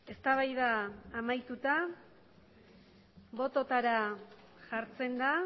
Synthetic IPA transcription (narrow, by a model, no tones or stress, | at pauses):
e̞st̪aβajðaːmajt̪ut̪a | βo̞t̪o̞t̪aɾa | ʝaɾt͡se̞nd̪a